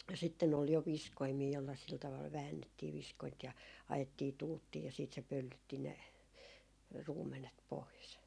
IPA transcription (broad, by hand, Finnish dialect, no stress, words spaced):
sitːen ol jo ʋiskoimiː jolːɑ sil tɑʋɑl ʋæːnːetːiː ʋiskoint jɑ ɑjetːiː tuːtːiː jɑ siːt se pølːytːi ne ruːmˑenet pois